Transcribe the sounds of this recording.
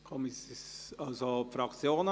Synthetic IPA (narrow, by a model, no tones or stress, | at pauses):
kʰɔmisɑlsopfɾɑkt͡sjoːnə